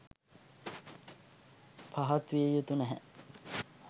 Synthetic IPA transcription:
pʰaɦat̪ʋiejut̪unæɦɛ̰

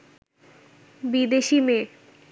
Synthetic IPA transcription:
bid̪eʃime

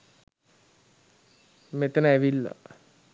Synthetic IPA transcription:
met̪ənəæʋilːa̰

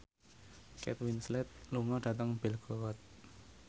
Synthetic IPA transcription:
kɛ̰t̪winslɛt̪̚luŋɔda̤t̪əŋbɪlɡ̥ɔɔt̪̚

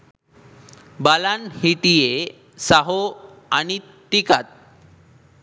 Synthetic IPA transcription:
balanhit̪ije | saɦo | añi | t̪ikat̪̚

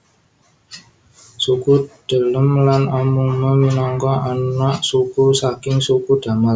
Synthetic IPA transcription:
sukud̪̥ə̤ləmlanɔmuməminɔŋkɔʔanɔʔsukusakɪŋsukud̥a̤mal

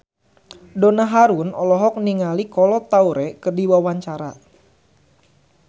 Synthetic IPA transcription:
donaɦaɾunɔlɔɦɔk̚niŋalikɔlɔt̪auɾɛkərdiwawaɲt͡ʃaɾa̰

